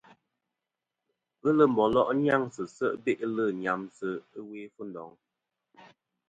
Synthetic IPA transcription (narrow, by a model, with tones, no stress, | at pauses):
ɣə˦lə˦˨m̩˨bɔ˨lɔ˦˨ʔɲ˦a˦ŋsə˨sə˦ʔbe˦ʔlə˦˨ɲa˨msə˦ɨ˦we˦fu˦n̩˨dɔ˨˦ŋ